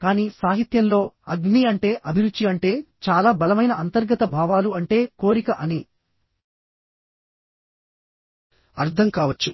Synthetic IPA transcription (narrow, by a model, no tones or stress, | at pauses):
kaːniːsaːɦit̪jɐmlo̞ːɐɡniːɐɳʈe̞ːʔɐbʱiɾud̪ːiɐɳʈe̞ːt͡ʃaːlaːbɐlɐmɐjnɐʔɐnt̪ɐɾɡɐt̪ɐbʱaːʋaːluɐɳʈe̞ːko̞ːɾikɐʔɐni | ɐɾt̪ʰɐmkaːʋɐt͡ʃːu